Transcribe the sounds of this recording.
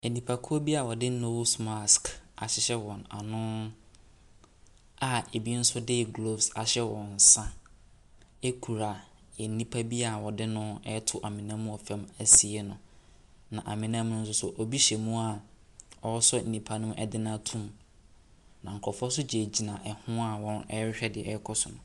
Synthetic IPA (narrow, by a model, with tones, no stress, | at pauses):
e˨nĩ˨pʰa˨kʰʊ˦o˦bi˦a˨wɔ˨dɪ˦no˦wsma˦˨ska̰˨ɕɪ˦ɕɛ˦wɔ̃˨na̰˨nʊ̃˦ | a˨e˨bi˦n̩˦sʊ˦de˦˨ɡlo˦bsa˨ɕɛ˦wɔ̃˨n̩˨sã˦ | e˦kʰu˨ɾa˨ | ɛ˨n˦nĩ˦pʰa˦bi˦a˨wɔ˨dɪ˦nʊ̃˦ɛ˦tʰʊ˦ʔa˨mɪ̃˨nã˦mũ˦ɔ˨fɛ̃˦mæ˦si˨˦e˦nʊ̃˨ | nã˨ʔa˨mɪ̃˨nã˦mʊ̃˦n̩˦s̬ʊ˦sʊ˨ʔɔ˨bi˦ɕɛ˨mũ˦a˨ | ɔ˦sɔ˦n̩˨nĩ˨pʰa˦nʊ̃˦ʔɛ̰˨dɪ˦nã˦˨tʰũ˦m | nã˨ŋ̩˨kʰɔ˨fɔ˦sʊ˦d͡ʑe˨d͡ʑi˨nã˨ʔɛ˨hʊ̃˦a˦wɔ̃˦nɛ˦ɕᶣɛ˦dɪ˨ɛ˦kʰɔ˦sʊ˨nʊ̃˨